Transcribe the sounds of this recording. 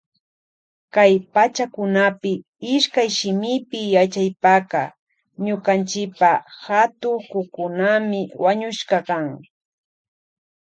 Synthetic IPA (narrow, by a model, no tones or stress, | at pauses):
kajpat͡ʃakʊnapɪ | ɪʃkajʃɪmɪpɪjat͡ʃajpaqɑ | ɲʊkant͡ʃɪkpahat̪ʊŋkʊkʊnamɪwaɲʊʃkɑkaŋ